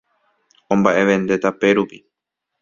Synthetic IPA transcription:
õ̞mbaʔe̞ʋẽ̞nd̪e̞t̪ape̞ɾupi

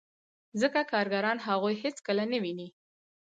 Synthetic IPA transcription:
zəkakɑɾɡaɾɑnɦaɣojhet͡skəlanəwini

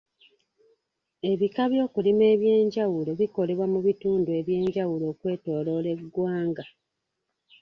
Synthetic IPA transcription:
e̞βikaβjo̞ːkulime̞ːβje̞ːɲɟawule̞βiko̞le̞βwamuβituːndue̞βje̞ːɲɟawulo̞ːkwe̞ːto̞ːlo̞ːle̞ɡːwaːŋɡa

